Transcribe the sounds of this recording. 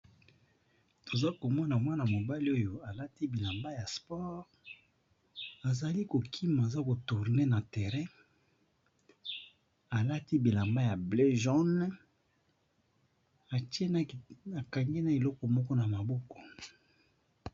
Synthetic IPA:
to˨za˦ko˨mɔ˦na˨mwa˦na˨mo˨ba˦li˦o˦jo˨a˨la˦ti˦bi˨la˨mba˦ja˨spɔ˦ʁ | a˨za˨li˦ko˨kʰi˦ma˨za˦ko˨tu˨ʁne˦na˨te˨ʁɛ̃˦ | a˨la˦ti˦bi˨la˨mba˦ja˨ble˦ʒɔ˦n | a˨te˦n˦a˨ka˨ŋɡe˦na˦˨e˨lɔ˦kɔ˨mɔ˦kɔ˦na˨ma˨bɔ˦kɔ̥˨

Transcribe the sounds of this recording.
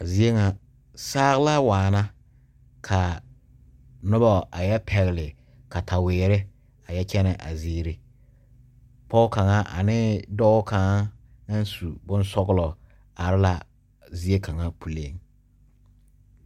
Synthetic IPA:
a˨zi˦e˦ŋa˨ | saː˦ɣɪ˦la˦waː˨na˦ | kʰa˨ | nʊ˦bɔ˦˨a˨jɛ˦pʰɛ˨ɣɪ˨lɪ˨ | ka˨tʰa˨wɪː˨ɾɪ˦ | a˨jɛ˦t͡ʃɛ˦nɛ˨ʔa̰˨ziː˦ɾɪ˦ | pɔ˦ʊ˦ka˨ŋa˦ʔa̰˨nɪ˦dɔ˦ka˨ŋa˦ | ŋa˦n˦su˨bʊ˦n˦sɔ˦ɣlɔ˨ | a˨ɾɪ˦la˦ | zi˦e˦ka˨ŋa˦pu˨le˦ŋ

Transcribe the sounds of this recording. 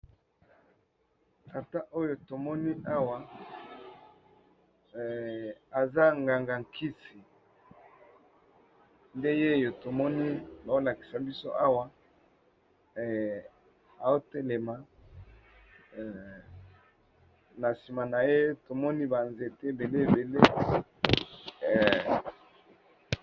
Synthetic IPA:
ta˨ta˦ʔo˦jo˨to˨mɔ˦ni˦a˦wa˨ | a˨za˦ŋɡa˨ŋɡa˨ŋkʰi˦si˨ | nde˦je˦˨jo˨to˨mɔ˦ni˦ba˨o˦la˨ki̥˨sa˨bi˦so̰˦ʔa˦wa˦˨ | a˨o˦te˦le˨ma˨ | na˨si˨ma˨na˨je˦to˨mɔ˦ni˦ba˨nze˨te˦e˨be˨le˦e˨be˨le˦˨

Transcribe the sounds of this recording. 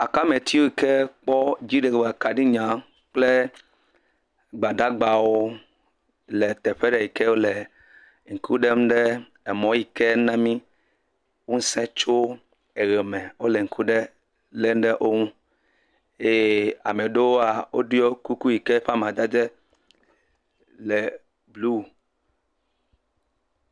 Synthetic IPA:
a˨ka˦me˨t̪ʰi˦wo˦i˨ke˦k͡pɔ˦d͡ʒi˦ɖe˨ɡa˨ka˨ɖi˦ɲã˨˦ | k͡ple˦ | ɡ͡ba˨ɖa˦ɡ͡ba˨wo˦ | le˨t̪ɛ˨ɸe˦ɖɛ˨ji˨ke˦wo˦le˨ | ŋ̩˨kʰu˦ɖe˦m̩̃˦ɖe˦ | e˨mɔ̃˨˦ji˨ke˦nã˦mĩ˦ | wũ˦sɛ̃˦t͡ʃo˦ | e˨ɣɛ˨mɛ̃˨wo˦lɛ˨ŋ̩˨kʰu˦ɖɛ˦ | le˦m˦ɖɛ˦ʔo˦ŋũ˦ | e˦je˦a˨me˨ɖo˦wo˦a˨wo˦ɖu˦ɔ˦ku˦ku˦ji˨kɛ˦ɸa˦mã˨d͡ʒa˦d͡ʒɛ˦ | lɛ˨ | blu˦˨

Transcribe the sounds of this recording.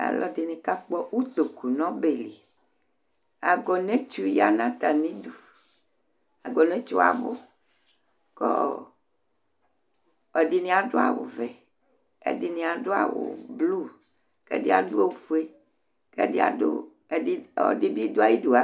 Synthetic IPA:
a̰˨lɔ˦di˨nĩ˦ka˦k͡pɔ˦wu˦t̪o˨ku˨nɔ̃˦be˨li˨ | a˨ɡɔ˨nɛ̃˦t͡ʃu˦ja˦nã˦t̪a˨mĩ˦du˨ | a˨ɡɔ˨nɛ̃˦t͡ʃo˦a̰˨bo˦ | kɔ˦ | ɔ˨di˨nĩ˦a˨do˦a˨wo̰˨vɛ˨ | ḛ˦di˨nĩ˨a˨ɖo˦a̰˨wo̰˨blu˦˨ | kḛ˦di˦a˨du˦e˦wfu˨˦e˦ | kḛ˦de˦a̰˨do̰˦˨˦ | ɔ̰˨di˦bi˦d̪o˦a˦ji˦du˦a˨

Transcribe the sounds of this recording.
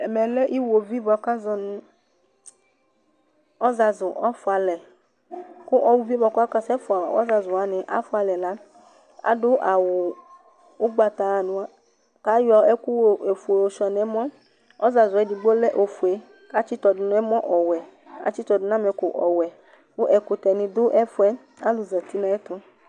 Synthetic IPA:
ɛ˨mɛ˨lɛ˦ʔi˦wo˨vi˦bɔ˨ka˦zɔ˨nʊ˦ | ɔ˦za˨zʊ˨ʔɔ˦fʊ˨a˨lɛ˨ | kʊ˦ʔɔ˦wu˨vi˦bɔ˨kʊ˦a˦ka˦sɛ˦fa˨wɔ̰˦za˨zʊ˨a˨nɪ˨ʔa̰˦fʊ˦a˨lɛ˨la˨˦ | a̰˨dʊ˦ʔa˨wʊ˨ | ʊ˦ɡ͡ba˨t̪a˨nʊ̃˨a˦ | ka˨˦jɔ˨ɛ˦kʊ˦wo˨e˨fu˨e˨o˨ʃɔ˨nɛ˦mɔ̃˦ | ɔ˦za˨zʊ˨ɛ˨˦di˨ɡ͡bo˦lɛ˦ʔo˨fu˨e˨ | ka˦t͡ʃɪ˦tɔ˨dʊ˨nʊ̃˨˦ɛ˦mɔ̃˦ʔɔ˨wɛ˨ | a̰˨t͡ʃɪ˦t̪ɔ˨dʊ˨nã˦mɛ˨kʊ˨ʔɔ˨wɛ˨ | kʊ˦ʔɛ˨kʊ˨t̪ɛ˨nɪ̃˨d̪ʊ˦ʔɛ˦fʊ˦ɛ˦ | a˦lʊ˨za˨t̪i˦nã˨ɛ˦t̪ʊ˦

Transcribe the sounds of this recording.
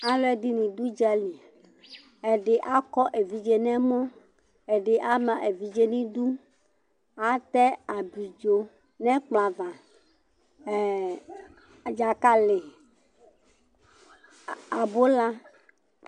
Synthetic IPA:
a˦lɔ˦ɛ˦d̪i˦nĩ˨d̪u˦d͡ʒɛ˦lĩ˨ | e˨ɖe˨ʔa˦kɔ˦ʔe˨vi˨d͡ʒe˦nɛ̃˦mɔ̃˦ | e˨ɖɪ˨ʔa˦mã˨ʔe˨vi˨d͡ʒe˦nĩ˦d̪u˦ | a˦t̪ɛ˦a˨bi˨d͡ʒo˦ | nɛ̃˦k͡pla˨vã˨ | d͡ʒa˨ka˦lɪ˨ | a˨bo˦la˦

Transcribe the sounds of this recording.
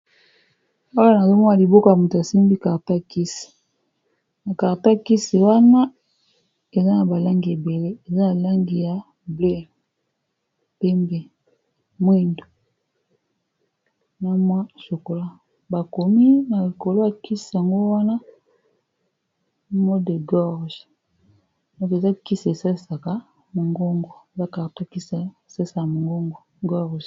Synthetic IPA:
a˦wa˦na˨zo˦mɔ˦na˨li˨bo˦ka˨ja˨mu˨ta˨si˦mbi˦ka˨ʁta˦˨ki˦si̥˨ | na˨ka˨ta˦˨ki˦si˨wa˦na˦ | e˨za˦na˨ba˨la˦ŋɡi˨e˨be˨le˦e˨za˦na˨la˦ŋɡi˨ja˨ | ble˦ | pe˦mbe˨ | mwe˦ndo˨ | na˦mwa˦so˨ko˨la˦ | ba˨ko˨mi˦na˨li˨ko˨lo˦ja˨ki˦si˨a˨ŋɡo˦wa˦na˦ | mo˦de˨ɡɔ˦ʁʒ | dɔ˨ke˨za˦ki˦ssa˦˨sa˨ka˦ | mo˨ŋɡo˦ŋɡo˨e˨za˦ka˨to˦ki˦sa˨sa˦sa˨ja˨mo˨ŋɡo˦ŋɡo˨ | ɡɔ˦ʁʒ

